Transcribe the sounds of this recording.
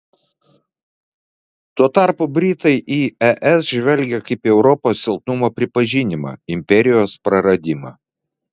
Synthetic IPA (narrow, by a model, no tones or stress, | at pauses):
t̪uɔt̪ɑˑɾpʊbʲɾʲiːt̪ɐɪʔiːɛʔɛsʒʲʋʲɛlʲɡʲɛkɐɪpʲiɛʊɾɔpoːsːʲɪlˠt̪nʊmoːpʲɾʲɪpɐʒʲinʲɪmɑ̰ɪmʲpʲɛɾʲɪjoːspɾɐɾɐd̪ʲɪmɑ̰ː